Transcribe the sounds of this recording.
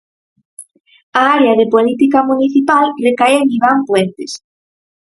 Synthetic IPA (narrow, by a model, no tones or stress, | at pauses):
aaɾeɐðepolit̪ikamuniθipalrekajeŋiβ̞ampwent̪ɪs